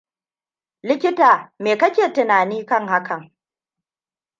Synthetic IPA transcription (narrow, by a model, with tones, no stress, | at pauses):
lɪ˦kʲɪ˦taː˨meː˨kɐ˦kʲeː˨tɪ˨naː˨niː˦kɐ˦˨ŋha˦kʰɐ˨ŋ